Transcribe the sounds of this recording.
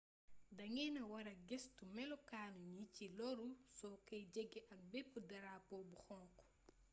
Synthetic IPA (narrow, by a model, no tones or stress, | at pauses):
dɐŋɛnɐwɐɾɐɡestumɛlɔkaːnuɲicilɔɾusɔkɐjd͡ʒeɡːiʔɐn̚bɛpːudɐɾaːpɔbuxɔŋk